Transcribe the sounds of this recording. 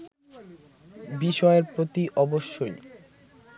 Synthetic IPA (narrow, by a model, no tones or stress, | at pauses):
biʃɔeɾpɾot̪iʔɔboʃːoj